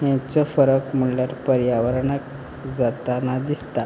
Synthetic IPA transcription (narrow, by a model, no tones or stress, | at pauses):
jãt͡səfəɾəkm̤əɳljaɾpəɾjaʋəɾɳak | d͡zat̪anad̪ist̪a